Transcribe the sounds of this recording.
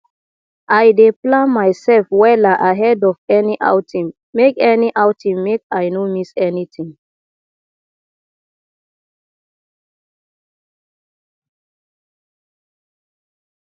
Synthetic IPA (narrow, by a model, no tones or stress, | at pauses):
ʔajdeplãnmaɪsɛlfwɛðaʔaɦɛdɔfɛniʔa̰ʊtʰĩmːekɛniʔaʊtʰĩmːekajnomisɛnitʰĩŋ